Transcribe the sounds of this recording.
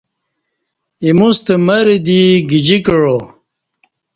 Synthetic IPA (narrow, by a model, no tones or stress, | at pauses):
imust̪emɐɾid̪iɡid͡ʑikəɻo